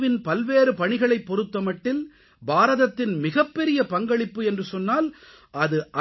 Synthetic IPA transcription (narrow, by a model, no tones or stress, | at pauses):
ʋɪnpɐlʋeːɾɯpɐɳɪɣɐɭɐɪpːɔɾɯt̪ːɐmɐʈːɪl | baːɾɐðɐt̪ːɪnmɪɣɐpːɛɾɪjɐpɐŋɡɐɭɪpːɯɛndrɯsɔnːaːl | ʔɐðɯʔɐ